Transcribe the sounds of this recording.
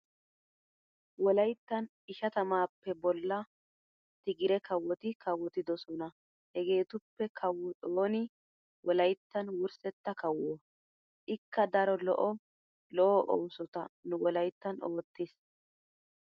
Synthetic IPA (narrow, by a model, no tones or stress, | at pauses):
wɔlɐjt̪ːɐn | ɪʃɐt̪ɐmaːpːɛbɔlːɐ | t̪ɪɡɪɾɛkɐwːɔt̪ɪkɐwːɔt̪ɪd̪ɔsɔnɐ | hɛɡe̞ːt̪ʊpːɛkʰɐwːʊtʼoːnɪ | wʔɔlɐjt̪ːɐnwʊɾsɛt̪ːɐkɐwːɔː | ʔɪkːɐd̪ɐɾɔlɔ̰ʔɔ | lɔʔɔʔɔ̰wsɔt̪ɐnʊwɔlɐjt̪ːɐnoːt̪ːɪs